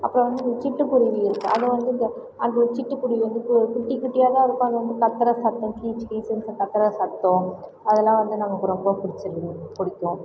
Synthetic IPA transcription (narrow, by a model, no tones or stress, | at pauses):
ɐpːɯɾɔ̃ʋɐnd̪ɯnd̪ɐt͡ʃɪʈːɯkʊɾɪʋiɪɾɯkːɯ̰̃ʔɐðɯʋɐnd̪ɯɪnd̪ɐ | ɐnd̪ɐɾt͡ʃɪʈːɯkʊɽiɐnd̪ɯkːkɪʈːikːɪʈːɪjaːlãːɪɾɯkːõːɐðɐʋɐnd̪ɯkɐt̪ːɐɾɐsɐt̪ːɐ̃kiːt͡ʃkiːsɛnsɐkɐt̪ːɐɾɐsɐt̪ːõ | ɐðɛlːãːʋɐnd̪ɯnɐmːɐkʊɾɐpoːkʊɽɪt͡ʃːɐlːkʊɽɪkːʊ̃